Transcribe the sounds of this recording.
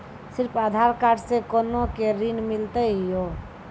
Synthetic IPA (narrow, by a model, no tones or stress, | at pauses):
siɾpʰad̪ʱaɾkaɖsẽkonokeɾinmilt̪əɦjo